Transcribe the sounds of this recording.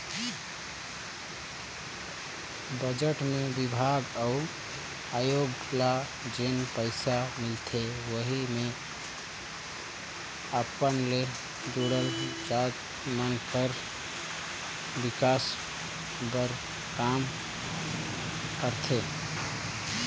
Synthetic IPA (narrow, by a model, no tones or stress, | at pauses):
bəd͡ʒəʈmebibʱaɡəu | ajoɡla | d͡ʒenpəɪsamɪlt̪ʰewəɦime | əpənle | d̪uɽəld͡ʒat̪ | mənkʰəɾ | bikas | bəɾ | kam | kəɾt̪ʰe